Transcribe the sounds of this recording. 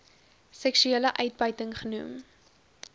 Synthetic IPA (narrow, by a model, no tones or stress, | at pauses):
sɛkʃyeːləʔœɥt̚bœɥtəŋχənum